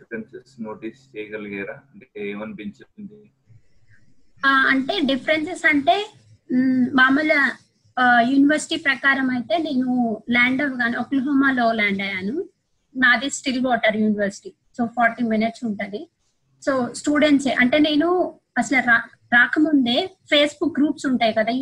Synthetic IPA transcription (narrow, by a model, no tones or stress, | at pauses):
ensesnoːʈiːst͡ʃɛːjɐɡɐlɐɡɐːɾaːɐɳʈeeːmɐnibint͡ʃepːind̪i | aɐɳʈe̞ːɖipʰɐɾensesɐɳʈe̞ː | maːmɐlɐ | juːniʋɐɾsi̥ʈiːpɾɐkaːɾɐmɐjt̪e̞ːne̞ːnulaːɳɖɐʋɡaːniokːlɦoːmaːlo̞ːlaːɳɖɐjaːnu | naːd̪isʈiɾiʋɔːʈɐɾjuːniʋɐɾsi̥ʈiː | soːpʰɔːɾʈiːminiʈsuɳʈand̪i | soːsʈuːɖeɳʈseʔɐɳʈe̞ːne̞ːnu | ɐsɐlɐɾa | ɾaːkɐmund̪e̞ːpʰe̞ːsbuk̚ɡɾuːpsuɳʈaːjikɐd̪aː